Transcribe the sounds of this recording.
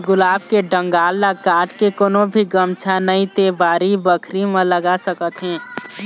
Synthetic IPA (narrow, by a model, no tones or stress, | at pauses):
ɡʊlaːb̚keɖə̃ŋɡaːlnakaːʈkekoːnõbʱiɡəmt͡ʃʰanəĩt̪eːbaːɾibəkʰɾimə̃ləɡasəkət̪ɦɛ̃ː